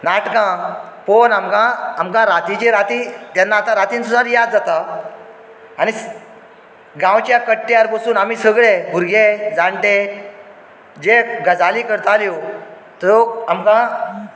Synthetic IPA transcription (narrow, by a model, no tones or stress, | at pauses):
naʈkã | ponamkãːmkãɾat̪it͡ɕeɾat̪it̪janːaːt̪ãɾat̪iːnsusaɾjad̪d͡zat̪a | aɽ̃i | ɡãwt͡ɕjakəʈːjaɾpəsuːnam̤iːsəɡɭebʱuɾɡed͡zaɳʈe | d͡ʑeɡəd͡zaliːkəɾt̪aljo | t̪ɾoamkã